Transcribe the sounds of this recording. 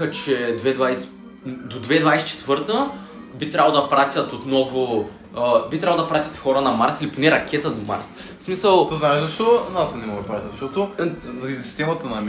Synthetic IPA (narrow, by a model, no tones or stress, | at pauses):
ət͡ʃɛd̪vɛd̪vajs | d̪od̪vɛd̪vajsɛ̥t͡ʃɛ̥t̪vɤɾt̪ə | bit̪ɾʲavlˠd̪ɐpɾat̪ʲɐt̪ot̪nɔvʊ | bit̪ɾavlˠd̪ɐpɾat̪ʲət̪xɔɾənɐmaɾsiliponɛɾɐkʰʲɛt̪əd̪oma̰ɾs | smisəlˠt̪oznaɛʒzɐʃt̪ɔnasnɛmɔɡ̪pɾat̪ʲəzʃt̪ɔt̪ʊzisi̥st̪ɛmɐt̪ənɐm